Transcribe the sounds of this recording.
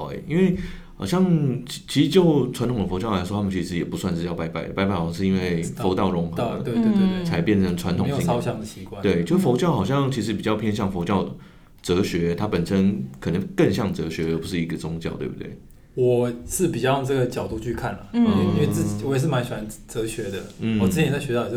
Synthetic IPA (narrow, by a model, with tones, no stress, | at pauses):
ḛ˨˩i˥nwe˥˩ɪ | xɑ˨˩ʊɕjɑ˥˧ŋt͡ɕʰi˧˥ʂɻ̩˧˥t͡ɕjo˥˩ʊʈ͡ʂʰwa˧˥nt̪ʰʊ˨˩ŋd̪ə˩fo˧˥ʊt͡ɕɑ˥˩ʊla˧ɪwɔ˥t̪ʰa˥mə˨nt͡ɕʰi˧˥ʂ̬ɻ̩˧˥jɛ˨˩pu˧˥swa˥˧nɻ̩˥˧jɑ˥˩pa˧˥ɪpa̰˥˩ɪə˨˩pa˧˥ɪpa˥˩ɪwɑ˧˥ŋʂɻ̩˥˧i˥nwe˥˩ɪfo˧˥ʊt̪ɑ˥˩ʊɻʊ˧˥ŋxɤ˧˥we˥˧t̪e˥˧e˥˧˩e˥t͡sʰa˧˥ɪpjɛ˥˩nt͡sʰə˧˥nʈ͡ʂʰwa˧˦nt̪ʰʊ˨i˥ɑ˥ʊɕjɑ˥˩ŋd̪ə˩ɕi˧˥kwa˥˧˦t̪we˥˩ɪt͡ɕo˥˧ʊʂ̩˥˩fo˧˥ʊt͡ɕjɑ˥˩ʊxɑ˨˩ʊɕjɑ˥˨ŋt͡ɕʰi˧˥ʂ̬̩˧˥pi˨˩t͡ɕjɑ˥˧ʊpʰjɛ˥nɕjɑ˥˩ŋfo˧˥ʊt͡ɕjɑ˥˩ʊ | t͡sɤ˧˥ɕɥɛ˧˥t̪ʰa˥pə˨˩nʂə˦˥nkʰɤ˨˩nə˧˥ŋkə˥˧ŋɕjɑ˥˩ŋt͡sɤ˧˥ɕɥɛ˧˥ə˨˩pu˧˥ʂɻ̩˥˩i˧˥ɡə˧t͡sʊ˥ŋt͡ɕjɑ˥˧ʊt̪we˥˩bṵ˧t̪we˥˩ɪ | wɔ˨˩ʂɻ̩˥˩pi˨˩t͡ɕjɑ˥˧jɑ˥˧ŋʈ͡ʂɤ˥˩ɡə˩t͡ɕjɑ˨˩ʊt̪u˥˧t͡ɕy˥˧kʰa˥˩nɐ˩i˥nwe˥˧t͡s̩˥˩t͡ɕi˨wɔ˨˦jɛ˨˩ʂ̬̩˥˩ma˦nɕɥɛ˨˩a˧˦nt͡sɤ˧˥ɕɥɛ˧˥d̪ə˨n̩˥wɔ˨t͡s̩˥t͡ɕʰi˨˧n˨˩t͡sɥɛ˧t̪o˥˩